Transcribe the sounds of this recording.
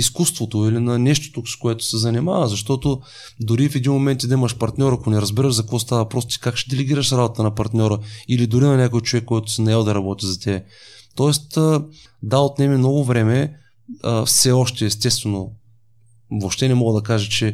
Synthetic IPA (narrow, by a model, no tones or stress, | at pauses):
iskust̪vot̪oilinɐnɛʃt̪o̥t̪oskoʊɛt̪ʊ̥sɛzɐnʲima̰vəzɐʃt̪ɔt̪o | d̪ʊɾifɛd̪inmomɛnt̪id̪ɐimɐʃpɐɾt̪nʲɔɾɐkonɛɾɐzbiɾəʃzɐkvɔst̪avɐpɾɔst̪t̪i̥kakʃɛ̥d̪ɛlɛɡʲiɾəʃɾabot̪t̪ənɐpɐɾt̪nʲɔɾəilid̪ʊɾinɐnʲakojt͡ʃovɛkːoɛt̪ʊ̥sɛnɐɛlˠəd̪ɐɾɐbɔt̪izɐt̪ʲɛbɛt̪ɔɛst̪ə | d̪aot̪nɛmimnɔɡʊvɾɛmɛ | əfsɛɔʃt̪ɛːst̪ɛst̪vɛno | vopʃt̪ɛnɛmɔɡəd̪ɐkaʒət͡ʃɛ